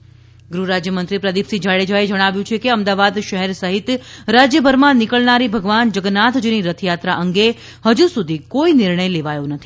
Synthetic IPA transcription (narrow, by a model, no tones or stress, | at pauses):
ɡɾuɾad͡ʒjəmənt̪ɾipɾəd̪ipsid͡ʒaɭed͡ʒaed͡ʒəɽ̃aʋjũt͡ʃʰekeəmd̪aʋad̪ʃəɦɛɾsəɦit̪ɾad͡ʒjəbʱəɾmãnikəɭnaɾibʱəɡʋand͡ʒəɡnat̪ʰd͡ʒiniɾət̪ʰjat̪ɾaʔəŋɡe | həd͡ʒusud̪ʱikoinɪɾɳəjleʋajonət̪ʰi̥